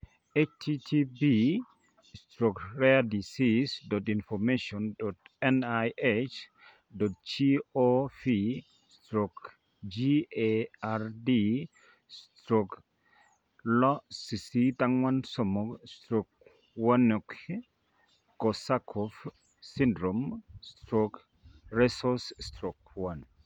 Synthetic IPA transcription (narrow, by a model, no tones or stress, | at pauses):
et͡ʃtʰitʰibi | stɾɔkɾɛadisisdɔtinfɔmeʃɔndɔtɛnajʔet͡ʃ | dɔt̚t͡ʃiofi | stɾɔk | d͡ʒieaɾdi | stɾɔk | lɔsisitaŋwansɔmɔkstɾɔk̚ | wanok | kɔsakʰɔf | sindɾomstɾɔk | ɾɛsɔsstɾɔk̚wan